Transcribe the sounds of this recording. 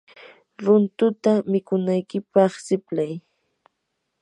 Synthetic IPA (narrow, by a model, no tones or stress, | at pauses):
ɾʊnt̪ʊt̪amɪkʊnajkɪpɑχsɪplaj